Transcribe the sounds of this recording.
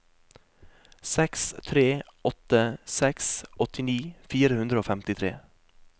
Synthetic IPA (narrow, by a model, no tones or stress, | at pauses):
sɛkst̪ʰɾeːɔt̪əsɛksʔɔt̪ɪniːfiːɾəhʉnd̪ɾəoːfɛmt̪ɪt̪ʰɾḛː